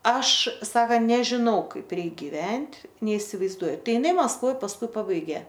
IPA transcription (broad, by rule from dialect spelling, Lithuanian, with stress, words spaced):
ˈɐʃ ˈsɑːkɐnt nʲɛʒʲɪˈnɐʊ ˈkɐɪp ˈrʲɛɪk ɡʲɪˈʋʲɛnʲtʲ nʲɛɪsʲɪʋɐɪzˈduɔjʊ ˈtɐɪ ɪˈnɐɪ mɐskˈʋoːj pɐsˈkʊɪ ˈpɑːbɐɪɡʲeː